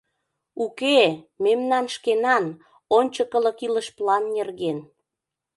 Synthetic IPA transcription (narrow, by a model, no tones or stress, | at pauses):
ukememnɑnʃkenɑn | onʲt͡ɕəkə̆lə̆kiləʃplɑnːerɣen